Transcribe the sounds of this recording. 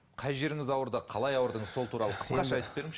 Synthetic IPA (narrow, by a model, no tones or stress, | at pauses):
qʰɑjʒe̞ɾɪŋɪzɑwəɾd̪əqʰɑlˠɑjɑwəɾd̪əɴəzso̞lˠt̪ʰuɾɑlˠəqʰə̥sqɑʃɑɑjt̪əpbe̞ɾɪŋʃ